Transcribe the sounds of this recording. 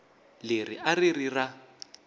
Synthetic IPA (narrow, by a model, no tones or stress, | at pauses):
lerḭʔaririra